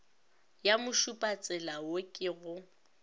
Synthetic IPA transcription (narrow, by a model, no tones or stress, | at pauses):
jamʊʃupʼat͡sʼɛlawokʼɪɣʊ